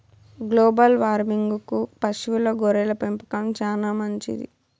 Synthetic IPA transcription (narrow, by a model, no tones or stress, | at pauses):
ɡloːbɐlʋaːɾmiŋɡukupɐʃʋiloːɡoɾɛːlɐpempɐ̥kɐmt͡ʃaːnaːmɐɲt͡ʃḭd̪ḭ